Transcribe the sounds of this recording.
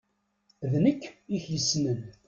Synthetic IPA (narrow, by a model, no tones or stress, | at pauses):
ðnəkːiçjəsnən